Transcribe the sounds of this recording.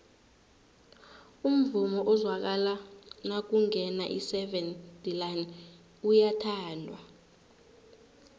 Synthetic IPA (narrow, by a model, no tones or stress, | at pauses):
um̩vumɔʔɔzwak̬alanak̬uŋɛnaʔḭsɛvɛnd̥ʱilan | ujatʰaːndʱwa